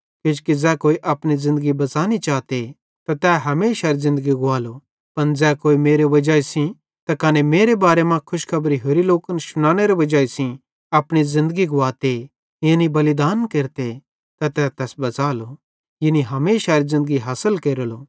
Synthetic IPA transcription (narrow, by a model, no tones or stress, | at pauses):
kɪt͡ʃkid͡zɛːkoːiʔɐpɽ̃izɪ̃nd̪əɡibɐt͡saːnit͡ʃaːt̪e | t̪at̪ɛːɦɐmeːʃaɾizɪ̃nd̪əɡiɡʊaːlo | pɐnd͡zɛːkoːimeːɾeʋɐd͡ʒaːisĩ | t̪akɐnemeːɾebaːɾemãkʰʊʃkʰɐbɾiɦoːɾiloːkənʃʊnãːɽ̃eɾeʋɐd͡ʒaːisĩ | ɐpɽ̃izɪ̃nd̪əɡiɡʊaːt̪e | jẽnibɐlid̪aːnkeːɾt̪e | t̪ɐt̪ɛːt̪ɛːsbɐt͡saːlo | jɪniɦɐmeːʃaɾizɪ̃nd̪əɡiɦaːsəlkeːɾəloː